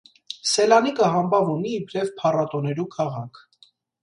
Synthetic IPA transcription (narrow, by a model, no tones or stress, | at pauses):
sɛlɑnikəɦɑmbɑvuniːpʰɾɛvpʰɑrɑt̪ɔnɛɾukʰɑʁɑkʰ